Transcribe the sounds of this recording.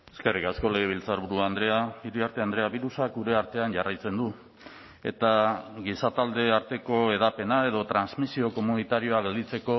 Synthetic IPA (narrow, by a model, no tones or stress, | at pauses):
eske̞rikasko̞leɣ̞e̞β̞ilt͡saɾβuɾuand̪ɾeaiɾiaɾt̪e̞and̪ɾe̞aβiɾusakuɾe̞aɾt̪e̞anɟarajt͡se̞nd̪u | e̞̰t̪aɣisat̪ald̪e̞aɾt̪e̞ko̞e̞ð̞ape̞nae̞ðo̞t̪ɾanzmisio̞ko̞munit̪aɾio̞aɣe̞ld̪it͡se̞ko̞